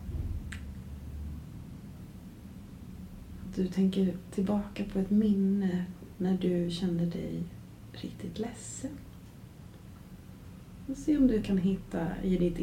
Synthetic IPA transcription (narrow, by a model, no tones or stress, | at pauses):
d̪̥ɵt̪ʰɛŋkəɾtʰɪlbɑːkapʰɔɛt̪mɪnːənæɖɵɕɛnːəɖɛ̰j | ɾɪ̰kt̪ʰɪt̪lɛsːən | ɔseːɔmd̪ɵkʰanɦɪt̪ːa̰ɪ̰d̪ɪt̪